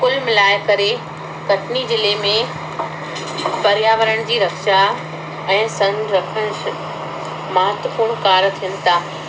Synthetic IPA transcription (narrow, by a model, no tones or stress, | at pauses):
kʊlmɪlaːɪkɐɾe | kɐʈʰnid͡ʑɪlemẽ | pɐɾjaːʋəɾəɽ̃d͡ʑiːɾɐkʃa | ɛ̃ːsɐ̃ŋnɾɐkʰəɽ̃s | mɐɦət̪ʋəpuːɽ̃kaːɾt̪ʰijənɪ̆t̪ʰaː